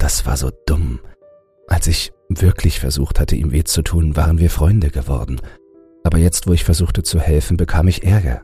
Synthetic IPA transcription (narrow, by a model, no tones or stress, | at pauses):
d̥asv̥a̰ːɐzo̰ːd̥ʊm | ʔalsɪçv̥ɪɐkʰlɪçfɛɐzuːxthatʰəʔḭːmveːt͡sutʰuːnva̰ːʁənviːɐfʁ̥ɔʏndəɡəvɔ̰ɐdn̩ | ʔaːbɐjɛt͡stv̥oːɪçfɛɐzuːxtət͡suhɛlfn̩bəkʰaːmɪçʔɛɐɡɐ̰